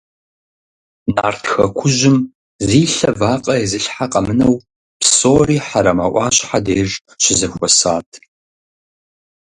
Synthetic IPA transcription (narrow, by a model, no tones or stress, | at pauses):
naːrtʰxɐkʷʰʊʒɪm | ziːɬɐvaːqʼɐezɨɬħaqʼɐmɨnɐw | psoːriːħaɾɐmaʔʷɑːɕʼħadeːr | ʃɪzɐxʷɔsaːtʰ